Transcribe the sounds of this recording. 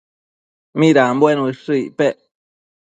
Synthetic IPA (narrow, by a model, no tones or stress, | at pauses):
miɾambwenwiʂɨipeʔ